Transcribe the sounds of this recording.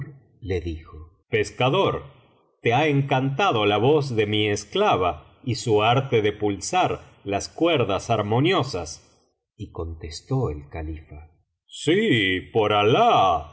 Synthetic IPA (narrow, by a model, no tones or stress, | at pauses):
ɾ | leðixo | peskaðoɾ | t̪eaeŋkant̪aðolaβo̞zðemiesklaβa | isuaɾt̪eðe̞pulsaɾ | laskweɾðasaɾmo̞njosas | iko̞nt̪est̪oelkalifa | sipoɾala